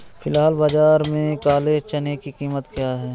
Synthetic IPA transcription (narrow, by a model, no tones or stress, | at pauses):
pʰɪlɦaːlbaːd͡ʒaːɾmẽkaːleːt͡ʃɐnekikiːmət̪kjaːɦɛː